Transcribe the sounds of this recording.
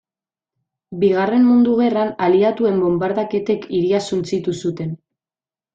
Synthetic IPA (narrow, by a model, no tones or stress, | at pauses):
biɣ̞are̞mmund̪uɣ̞e̞ranaliat̪ue̞mbo̞mbaɾðake̞t̪e̞kʰiɾiasunt͡sit̪usut̪e̞n